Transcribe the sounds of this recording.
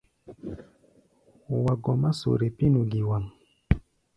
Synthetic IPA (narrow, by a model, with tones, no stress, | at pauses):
wa˨ɡɔ˨ma˦so̰˨ɾe˨pi˦nu˨ɡi˨wa˨m